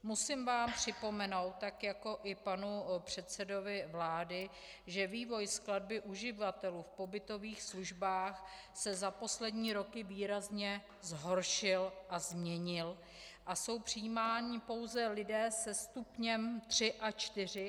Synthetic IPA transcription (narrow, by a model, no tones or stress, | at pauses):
musimvaːmpr̥ɪpo̞mɛno̞wt̪ːakjako̞ʔɪpanupr̝̥ɛt̪sɛdo̞vɪvlaːdɪ | ʒɛviːvo̞jsklad̚bɪʔuʒɪvat̪ɛluːfpo̞bɪt̪o̞viːxsluʒbaːx | sɛzapo̞slɛdɲiːɾo̞kɪviːɾazɲɛ | zɦo̞ɾʃɪlʔazmɲɛɲɪl | ʔaso̞wpr̝̥ɪjimaːɲɪpo̞wzɛlɪdɛːsɛst̪upɲɛmt̪r̝̥ɪʔat͡ʃt̪ɪr̝ɪ